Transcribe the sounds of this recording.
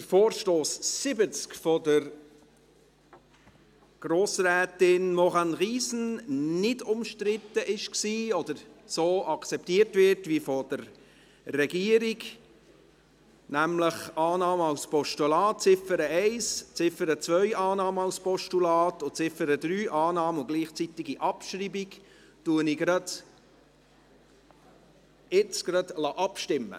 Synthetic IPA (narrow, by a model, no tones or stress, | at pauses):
təɾfoːɾʃtoːssɪbət͡skfɔdəɾ | ɡ̥ɾoːsrɛːtɪnmɔʁɑnʁiːsn̩nɪdʊmʃtɾɪtəʔɪʃksiːɔdəɾsoːʔɑkt͡sɛp̚tiːrtvɪɾtvʋifɔd̥əɾ | rɛɡiəɾiɡ | næmləχɑːnɑːməɑlspɔʃtulɑːt̚t͡sɪfəɾəɛɪst͡sɪfəɾət͡svœʏʔɑːnɑːməɑwspɔʃtulɑːtʊt͡sɪfəɾəd̥̪ɾyːʔɑːnɑːməʊɡliːχt͡sit̪ɪɡiʔɑpʃɾibiɡ | tuənɪɡɾɑd̥̪ | ɪt͡sɡ̥ɾɑd̪lɑʔɑpʃtɪmːə̰